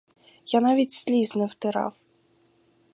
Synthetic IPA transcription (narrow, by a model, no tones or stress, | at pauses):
janɑvʲitʲsʲlʲiznɪwt̪ɪɾɑ̰w